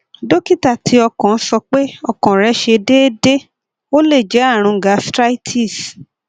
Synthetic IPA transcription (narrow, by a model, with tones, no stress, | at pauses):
do˦ki˦˨ta˦˨tʰi˨˦ɔ˧kɔ̃˨˦sɔ˧k͡pe˦ɔ˧kɔ̃˨ɾɛ˨˦ʃe˧de˦de˦ | o˦le˦˨d͡ʒɛ˨˦a˦˨ɾ̃ũ˧˨ɡa˨˧˦stɾa˦i˦tʰi˦˨s